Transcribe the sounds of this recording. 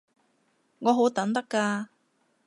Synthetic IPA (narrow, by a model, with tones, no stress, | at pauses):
ŋɔː˨˧ɦo˨˥wt̪ɐ˨˥ŋt̪ɐ˥kːaː˧